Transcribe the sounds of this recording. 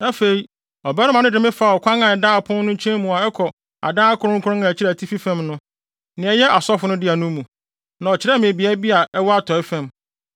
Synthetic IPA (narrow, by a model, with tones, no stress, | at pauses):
a˦fe˨i˨ | ɔ˨bɛ˦nʊ̃˦mã˨nʊ̃˦dɪ˨mɪ̃˦fa˨ɔ˨kʷʰã˦ŋã˨ɛ˨daː˦˨pʰʊ̃˦n˦nʊ̃˦t͡ɕʰɛ̃˦mũ˨a˨ɛ˦kʰɔ˨ | a̰˨dã˦a˦kʰʊ˦ɾʊ̃˦ŋkʰʊ˦ɾʊ̃˦ŋã˨æ˨t͡ɕʰɪ˦ɾɛ˨tʰi˦fi˦fæ̃˦mnʊ̃˦ | nɪ̃˨ɛ˨jɛ˦ʔa˨sɔ˦fʊ˨˦nʊ̃˦dɪ˦a˨nʊ̃˦mũ˨ | nã˨ɔ˨t͡ɕʰɪ˨ɾɛ˦˨mɪ̃˨bi˨a˦bi˦a˨ʔɛ˦wɔ˦a˦tʰɔ˨ɛ˦fæ̃˨m